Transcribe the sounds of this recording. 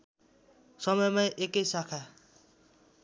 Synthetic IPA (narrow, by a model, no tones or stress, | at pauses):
sʌmʌjmajʔekejsakʰa